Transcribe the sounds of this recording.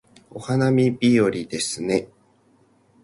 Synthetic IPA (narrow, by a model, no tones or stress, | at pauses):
o̞hanamʲibʲio̞ɾʲid̪e̞sɨne̞